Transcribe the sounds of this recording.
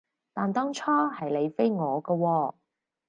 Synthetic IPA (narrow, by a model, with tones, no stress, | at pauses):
t̪aː˨˩nt̪ɔː˥ŋt͡ʃʰɔː˥hɐ˨jle˨˧jfe˥jŋɔː˨˧kɔ˧wɔː˧